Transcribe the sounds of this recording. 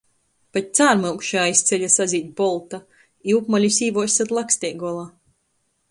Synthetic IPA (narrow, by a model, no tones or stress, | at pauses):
pat̪̚ʲt̪saːɾmɨwkʃaaist̪sʲɛʎʲasaziːt̪̚ʲbɔlˠt̪a | iwpmalʲisʲiːvɔsat̪lˠaksʲt̪ʲɛːɡɔɔlˠaː